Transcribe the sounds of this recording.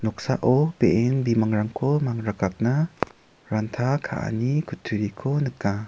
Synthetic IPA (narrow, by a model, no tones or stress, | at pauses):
nɔk̚saʔɔbeʔɛnbimaŋɾaŋkʰomaŋɾaɡap̚na | ɾant̪ʰakʰa̰ʔa̰nikʰut̪ʰuɾikʰonɯka